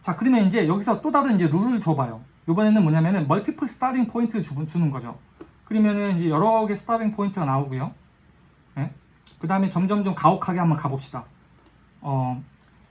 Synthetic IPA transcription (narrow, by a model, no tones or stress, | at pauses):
t͡ɕakɯɾimjʌnind͡ʑe̞jʌɡisʰʌt͈odaɾɯind͡ʑe̞ɾuɾɯɭt͡ɕobajo | jobʌne̞nɯnmʌɲamjʌnɯnmʌɭtʰipʰɯɭsʰɯ̥tʰaɾiŋpʰointʰɯut͡ɕunɯnɡʌd͡ʑo̰ | kɯɾimjʌnɯnind͡ʑe̞jʌɾʌɡe̞sʰɯ̥tʰaɾiŋpʰointʰɯɡanaoɡujo | ne̞ | kɯdaɦɯmet͡ɕʌmŋd͡ʑʌmd͡ʑomkaokʰaɡe̞hambʌnkabʌp̚ɕ͈id̥a | ʌ